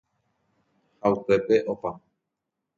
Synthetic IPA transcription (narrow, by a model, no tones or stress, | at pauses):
haupe̞pe̞ʔopa